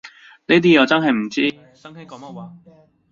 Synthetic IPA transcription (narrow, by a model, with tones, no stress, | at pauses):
ne˥t̪̬iː˥jɐ˨˧wt͡sɐ˥nɦɐ˨˩jm̩˨˩t͡siː˥˨